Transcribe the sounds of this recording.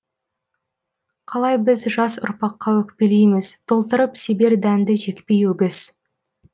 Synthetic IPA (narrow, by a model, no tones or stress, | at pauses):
qʰɑlˠɑjbɪzʒɑsʊ̰ɾpɑqːɑwɵkpe̞lejmɪzt̪ʰo̞lˠt̪əɾəpsebe̞ɾd̪ænd̪ɪʒe̞kpe̞jwɵɡʲɪz̥